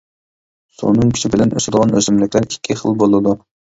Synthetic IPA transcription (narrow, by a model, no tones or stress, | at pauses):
sṵnɨŋkʲʰi̥ʃibɪlɛnʔø̰ʃɪd̪əʁɑnøzymlɪkʲlæɾɪkʲʰːiχə̰lˠbolˠɨd̪u